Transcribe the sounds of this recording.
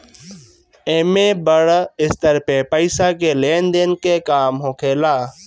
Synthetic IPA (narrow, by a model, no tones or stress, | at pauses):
eːmẽːbəɽɪst̪əɾpeːpəɪsaːkeːleːnd̪eːnkeːkaːmɦoːkʰeːlaː